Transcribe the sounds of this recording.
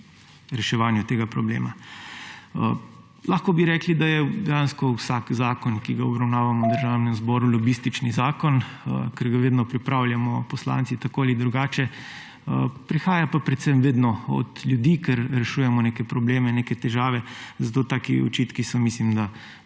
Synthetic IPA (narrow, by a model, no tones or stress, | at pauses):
ɾɛʃɛʋanjut̪eːɡapɾɔblḛːma | laːxkɔbiɾɛːklid̪ajɛd̪ɛjanskɔwsakzaːkɔnkiɡaɔbɾawnaːʋamɔwd̪əɾʒaːwnɛmzbɔɾulɔbist̪it͡ʃnizaːkɔnə̰kɛɾɡaʋeːd̪nɔpɾipɾawljamɔpɔsla̰ːnt̪sit̪akoalid̪ɾuɡaːt͡ʃɛ | əpɾixaːjapapɾɛt̪semʋeːd̪nɔɔ̰d̪lʲjud̪iːkɛɾɾɛʃuːjɛmɔneːkɛpɾɔbleːmɛneːkɛt̪ɛʒaːʋɛzat̪oːt̪aːkiɔ̰t͡ʃit̪kisɔmislimd̪a